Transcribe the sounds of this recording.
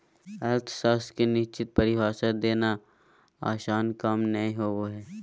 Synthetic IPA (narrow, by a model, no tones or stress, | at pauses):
ɐlt̪ʰsaːskenɪʃt͡ʃɪt̪̚pəɾɪʋaːʃəd̪eːna | a̰ːʃaːnkaːmnəĩɦoːʋoɦɛː